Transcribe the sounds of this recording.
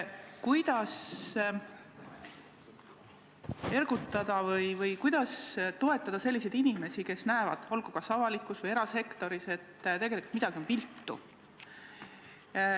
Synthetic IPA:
kujd̪̥ɑs | e̞rɡ̥ut̪ːˑɑd̪̥ɑvɤjvɤjkujd̪̥ɑst̪o̞e̞t̪ːˑɑd̪ɑse̞lːis̬e̞jd̪inime̞sike̞snæevɑ̰d̪̥o̞lɡ̥ukɑsɑvɑlikːˑusvɤje̞ɾɑse̞kt̪o̞ɾise̞t̪ːt̪e̞ɡe̞liku̥lt̪mid̪̥ɑɡ̥io̞nvilt̪ˑːṵ

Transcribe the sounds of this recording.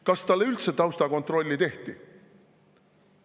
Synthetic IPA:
kɑst̪ɑlːeylt̪set̪ːˑɑwst̪ɑko̞nt̪ro̞lʲːit̪e̞ht̪i

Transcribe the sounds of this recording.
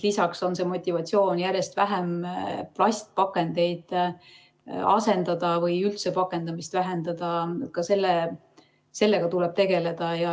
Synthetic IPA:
lisɑkso̞nse̞mo̞t̪ʲːˑivɑt̪sio̞ːnjærje̞st̪væɦemplɑsʲt̪̚pɑkːˑe̞nd̪e̞jd̪̥ | ɑ̰se̞nd̪̥ɑd̪̥ɑvɯjylt̪se̞pɑkːˑe̞nd̪ɑmist̪væɦe̞nd̪ɑd̪ɑkɑse̞lːe | se̞lːe̞ɡ̥ɑt̪uleb̥̚t̪e̞ɡe̞le̞d̪̥ɑjɑ

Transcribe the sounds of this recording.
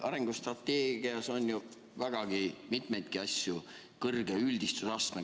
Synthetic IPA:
ʔɑɾeŋɡ̥ust̪rɑt̪ːeːɡ̥iɑso̞nʲju | væɡ̥ɑɡ̥imit̪me̞jt̪̚kiɑsʲju | kɤrɡ̥eylʲd̪ist̪usɑst̪me

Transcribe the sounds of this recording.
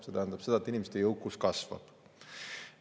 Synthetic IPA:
se̞t̪æhænd̪ɑb̥se̞d̪ɑet̪ːinʲimest̪ːejɤwkːˑuskɑsvɑ̰b̥

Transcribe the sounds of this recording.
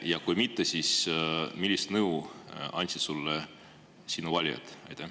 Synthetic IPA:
jɑkujmit̪ːesiːsmilʲːist̪nɤwɑ̰nʲt̪sisulːe | sinuvɑlʲo̰t̪ˑɑjt̪e

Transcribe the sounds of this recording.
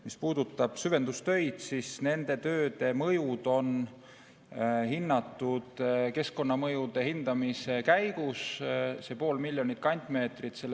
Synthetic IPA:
mispuːd̪ut̪ːˑɑb̥syve̞nd̪ust̪ø̞jd̪̥sisne̞nd̪̥e̞t̪ø̞ːd̪e̞mɤjud̪̥o̞n | hinːɑt̪ːˑud̪̥ke̞sko̞nːɑmɤjud̪e̞hind̪̥ɑmise̞kæjɡ̥usse̞po̞ːlmilʲjo̞nit̪̚ˑkɑnʲt̪ʲˑme̞ːt̪rit̪se̞lː

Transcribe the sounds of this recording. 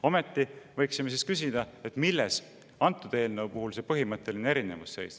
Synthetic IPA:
o̞met̪ːivɤjksime̞s̬iskys̬id̪̥ɑe̞t̪ːˑmilːes | ɑnt̪ːˑud̪̥e̞ːlnəɤwpuɦulse̞pɤɦimɤt̪ːˑe̞lineeɾine̞vusːe̞̰js

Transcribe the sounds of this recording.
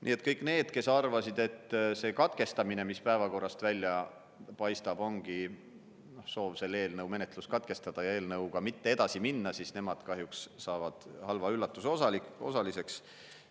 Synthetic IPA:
nʔḭːe̞t̪ːˑkɤjkːˑne̞ːd̪̥ke̞sɑrvɑsid̪̥e̞t̪ːse̞ːkɑt̪ke̞st̪ɑmine̞mispæevɑko̞rːɑst̪vælʲjɑ | pɑjst̪ɑb̥o̞ŋɡ̥i | no̞hso̞ːvse̞lːe̞ːlnɤwme̞ne̞t̪ˑluskɑt̪ke̞st̪ɑd̪̥ɑjɑe̞ːlnɤwɡ̥ɑmit̪ːe̞ed̪̥ɑsiminːɑsisne̞mɑd̪̥kɑɦjukssɑːvɑd̪̥hɑlvɑylːɑt̪ːˑusosɑlikosɑlise̞ks

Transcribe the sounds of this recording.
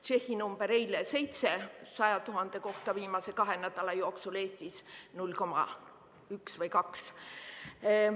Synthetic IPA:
t͡ʃe̞hːinumb̥e̞ɾejlese̞jt̪se̞sɑjɑt̪uɦɑnd̪̥e̞ko̞ht̪ɑviːmɑse̞kɑɦenæd̪̥ɑlɑjo̞ːksule̞ːst̪isnulʲːko̞mɑ̰ | yksvɤjkɑks

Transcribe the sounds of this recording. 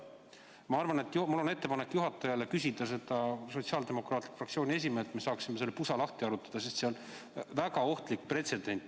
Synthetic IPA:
mɑɑrvɑne̞t̪ːˑmulːo̞ne̞t̪ːe̞pɑnekːjuɦɑt̪ːˑɑjɑlekys̬id̪ɑse̞d̪̥ɑso̞t̪siɑːld̪e̞mo̞krɑːt̪likfrɑkt̪sioːnʲies̬ʲimeːlt̪me̞sɑːksime̞se̞lːepusɑlɑht̪iɑɾut̪ːˑɑ̥d̪̥ɑsest̪seon | væɡɑo̞ht̪likːpre̞t̪se̞d̪̥e̞nʲt̪ːˑ

